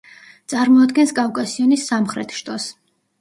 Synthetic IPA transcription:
t̪sʼaɾmɔad̪ɡɛnskʼafkʼasiɔnisːamχɾɛt̪ʰʃt̪ʼɔs

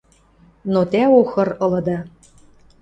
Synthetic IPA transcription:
not̪æoxɤ̆rɤ̆lɤ̆d̪ɑ

